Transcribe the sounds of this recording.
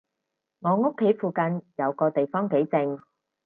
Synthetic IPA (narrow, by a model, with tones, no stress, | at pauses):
ŋɔː˨˧ŋo˥kʰːe˨˥jfuː˨kɐ˧njɐ˨˧wkɔː˧t̪e˨jfɔː˥ŋke˨˥jt͡sɪ˧ŋ